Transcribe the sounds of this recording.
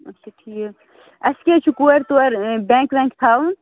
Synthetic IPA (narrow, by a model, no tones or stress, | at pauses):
ɐt͡ʃʰuʈʰi | ɐsket͡ʃʰukuɐɾt̪uɐɾbẽːŋkbẽːŋkt̪ʰaːun